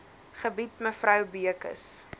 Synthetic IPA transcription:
χəbitməfrɐwbiəkə̰s

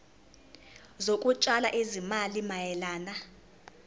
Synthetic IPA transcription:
zokʼut͡ʃʼalaʔizimalimajɛlaːna

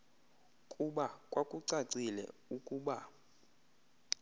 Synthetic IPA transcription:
kʼuɓakʼwakʼuǀaǀilɛ̰ukʼuːɓa

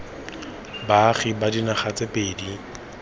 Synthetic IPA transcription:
baχibadinaχat͡sʼepʼeːdi

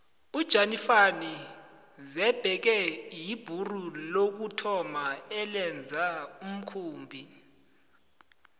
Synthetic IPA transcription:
ud̥ʒ̥ʱanifani | zɛb̥ʱɛk̬ɛjib̥ʱurulok̬utʰɔmaɛlɛnd͡zʱaum̩kʰuːmbʱi

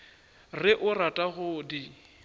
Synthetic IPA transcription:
rɪʔʊratʼaɣʊdi

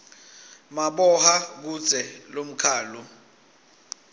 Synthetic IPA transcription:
maɓɔhak̬u̥z̥ʱʼɛlom̩kʰaːlu

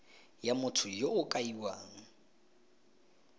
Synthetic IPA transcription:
jamʊtʰʊjoʊkʼaiwaːŋ̩

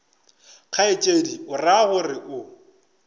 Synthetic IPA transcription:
q͡χʰaet͡ʃʼediʊrahʊrɪʔʊ

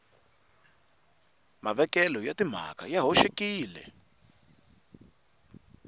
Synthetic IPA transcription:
maβɛkɛlɔjatim̤a̰kajaɦoʃekiːlɛ̰

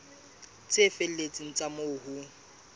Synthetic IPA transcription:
t͡sʼɪfel̩let͡sʼiŋ̩t͡sʼamoːhu

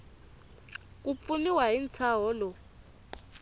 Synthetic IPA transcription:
k̬ʼup̪funiwaint͡sʰaɦɔːlɔ

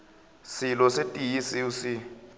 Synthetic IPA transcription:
silɔsetʼijisiusi

